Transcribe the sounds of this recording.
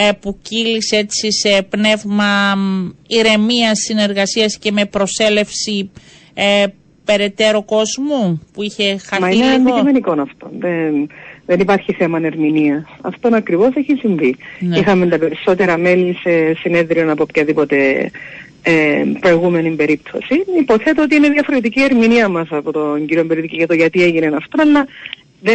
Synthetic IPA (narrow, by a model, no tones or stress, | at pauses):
puciliset͡sise̞pne̞vmɐ | iɾe̞miɐsːine̞ɾɣɐsiɐsce̞me̞pɾo̞se̞le̞fsi | pe̞ɾe̞t̪e̞ɾoko̞zmupuiçe̞xɐmɐneiomeniko̞nɐft̪o̞nðenðenipɐɾçiθe̞mɐneɾminiɐsɐ̰ft̪onɐkɾivo̞seçisiɱvinixɐment̪ɐpe̞ɾiso̞t̪e̞ɾɐme̞lise̞sine̞ðɾionɐpo̞pçɐðipo̞t̪e̞ | epɾo̞eɣume̞nimbe̞ɾipt̪ʰo̞̰siipo̞θe̞t̪eot̪iine̞ðiɐfo̞ɾet̪̬icie̞ɾminiɐmɐsɐpot̪oɲɟiɾiombeɾit̪iciʝɐt̪oʝɐt̪ie̞ʝinenɐft̪onɐlːɐ | ðe